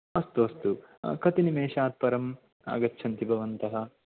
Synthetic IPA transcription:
ɐst̪uɐst̪ukɐt̪inimeːʃaːt̪̚pɐɾɐm | a̰ːɡɐtːʃʰɐnt̪ibʱɐʋɐnt̪ɐɦɐ

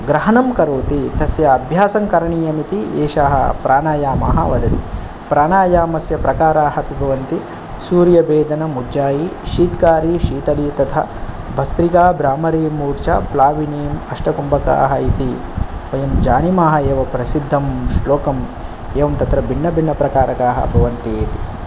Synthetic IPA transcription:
ɡɾɐɦɐnɐmkɐɾoːt̪it̪ɐsjɐːbʱjaːsɐŋkɐɾɐɳiːjɐmit̪ieːʃaːɦɐ̰pɾʔaːɳaːjaːma̰ːɦɐ̰ʋɐd̪ɐt̪i | pɾaːɳaːjaːmɐsjɐpɾɐkaːɾaːɦɐpibʱɐʋɐnt̪i | suːɾjɐbeːd̪ʱɐnɐmud͡ʒaːjiʃiːt̪kaːɾiʃiːt̪ɐliːt̪ɐt̪ʰɐ̰ | bʱɐst̪ɾikaːbɾaːmɐɾiːmuːɾt͡ʃɐplaːʋineːmɐʂʈɐkumbɐka̰ːɦɐit̪iʋɐjɐmd͡ʒaːnimaːɦɐeːʋɐpɾɐsid̪ʱːɐmʃloːkɐm | eːʋɐmt̪ɐt̪ɾɐbʱinːɐbʱinːɐpɾɐkaːɾɐkaːɦɐ̰bʱɐʋɐnt̪ieːt̪i

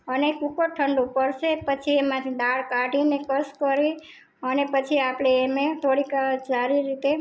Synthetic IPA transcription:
ənekukəʈʰəɳɖupəɾʃepət͡ʃʰiemãt̪ʰid̪aɭkaɖinekəskəɾe | ənepət͡ʃʰiapɽeːmet̪ʰoɽikad͡ʒaɾiɾːit̪e

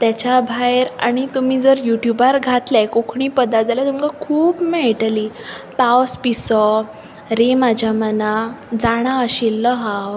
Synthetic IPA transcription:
t̪jat͡ɕabʱaeɾa̰ɽ̃it̪umiːd͡zəɾjuʈjubaɾɡʱat̪lakokʰɳipəd̪ad͡zaljat̪umkakʰuːpmeɭʈliː | pawspisɔ | ɾemad͡ʑʱjamənad͡zaɽ̃aəɕilːəɦaw

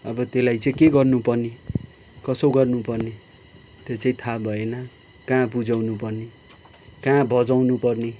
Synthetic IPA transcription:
ʌbʌt̪elajt͡sʌĩkeɡʌrnupʌrni | kʌsowɡʌrnupʌrne | t̪jet͡sʌĩt̪ʰabʱʌenʌ | kãbud͡zawnupʌrni | kãbʱʌd͡zawnupʌrne

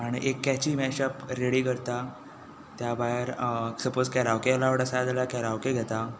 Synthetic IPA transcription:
aɽ̃ḭʔekːɛt͡ɕiːmɛɕəpɾeɽiːkəɾt̪a | t̪jabaeɾsəpod͡zkɛɾawkealaʋəɽasad̪aljakɛɾaʋkeɡʱɛt̪a

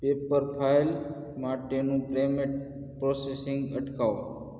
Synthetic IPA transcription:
pepəɾpʰajl | maʈenũplemeʈ̚ | pɾɔsesɪŋɡəʈkaʋ

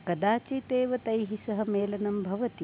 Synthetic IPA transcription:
kɐd̪aːt͡ʃit̪eːʋɐt̪ɐjɦisɐɦɐ̆meːlɐnɐmbʱɐʋɐt̪i

